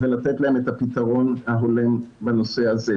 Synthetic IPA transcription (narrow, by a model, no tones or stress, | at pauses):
velat̪etlaemet̪apit̪aʁo̞nhaɦo̞lembano̞se̞aze